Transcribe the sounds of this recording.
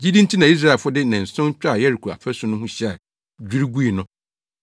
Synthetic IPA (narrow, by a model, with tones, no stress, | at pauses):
d͡ʑi˦dĩ˦n̩˦tʰi˦nã˨i˦s̬ɾa˦˨fʊ˦dɪ˦nã˨n̩˨sʊ̃˦n˦t͡ɕᶣa˦˨jɛ˦ɾi˨kʰu˨a̰˨fʰæ˦sʊ̃˦nʊ̃˦hʊ̃˦ɕɛ˦a˨ | d͡ʑᶣu˦ɾi˦ɡu˦i˨nʊ̃˦